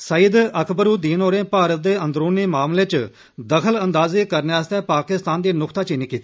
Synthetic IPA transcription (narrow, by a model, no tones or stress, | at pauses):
səid̪əkʰbəɾuːd̪iːnoːɾẽːpaːɾət̪̚d̪eːə̃nd̪ɾoːniːmaːmleːt͡ʃ | d̪əkʰələnd̪aːziːkəɾneːaːst̪ɛːpaːkɪst̪aːnd̪iːnʊkʰt̪aːt͡ʃiːniːkiːt̪ː